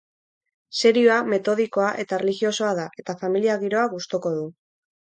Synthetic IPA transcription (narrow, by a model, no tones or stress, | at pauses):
se̞ɾioame̞t̪o̞ð̞iko̞aʔe̞t̪arelixio̞so̞aðaʔe̞t̪afamiliaɣiɾo̞aɣust̪o̞ko̞ðu